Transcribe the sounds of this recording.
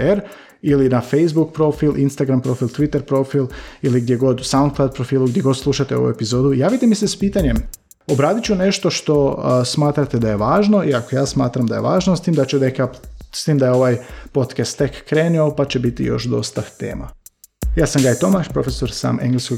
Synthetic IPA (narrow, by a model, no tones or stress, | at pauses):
eɾ | ilinafejzbuk̚pɾo̞filʔinst̪aɡɾampɾo̞filˠt̪ʋit̪eɾpɾo̞filˠiliɡd̪jeɡo̞d̪saund̪fad̪̚pɾofiːluɡdjeɡo̞d̪slˠuʃat̪eo̞ʋṵepizo̞ːd̪ujaːʋit̪emisespiːt̪aɲem | o̞bɾaːd̪it͡ɕune̞ʃt̪o̞ʃt̪o̞smaːt̪ɾat̪ed̪aje̞ʋaːʒno̞iakojaːsmaːt̪ɾamd̪aje̞̰ʋa̰ːʒnost̪iːmd̪at͡ɕed̪ekjast̪iːmd̪ajeo̞ʋajpo̞t̪kast̪ːekːɾeːniopat͡ɕebit̪ḭjo̞̰ʃd̪o̞̰st̪at̪ḛːma̰jaːsamɡajt̪o̞maʃpɾo̞feso̞ɾsa̰ːmʔeŋɡlisko